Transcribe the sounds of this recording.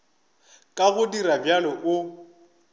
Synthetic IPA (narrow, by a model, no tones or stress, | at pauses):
kʼaɣʊdiɾabjalɔʔʊ